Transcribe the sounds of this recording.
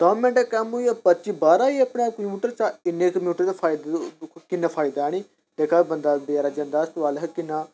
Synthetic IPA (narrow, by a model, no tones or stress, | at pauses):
daːmɛ̃ːɳʈekɛːmuapətːt͡ʃibaːɾaːiəpɳekəmjuːʈəɾt͡ʃaɪnːekəmjuːʈəɾt͡ʃepʰaːid̪kɪnːaːpʰaːid̪aːñiː | d̪eːkʰaːbənd̪aːbjaːɾaːd͡ʒɐ̃nd̪aːəst̪ʋaːlɦkɪnːaː